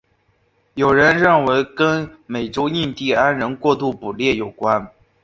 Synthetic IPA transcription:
jo˨˩ʊɻə˧˥nɻə˥˩nwe˧˥ɪkə˥nme˨˩ɪʈ͡ʂo˥ʊi˥˧nt̪i˥˩a˥nɻə˧˥nkwɔ˥˧t̪u˥˩pu˨˩ljɛ˥˩jo˨˩ʊkwa˥n

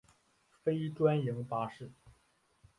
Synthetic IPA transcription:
fe˥ɪʈ͡ʂwa˥nji˧˥ŋpa˥ʂɻ̩˥˩

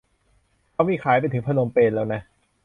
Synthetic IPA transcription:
kʰa˧˩miː˧˥˩kʰaː˨˩˦jp̬a˧jt̪ʰɯ˩˦ŋpʰa˧no˧mpeː˧nlɛː˦˥wna˦˥

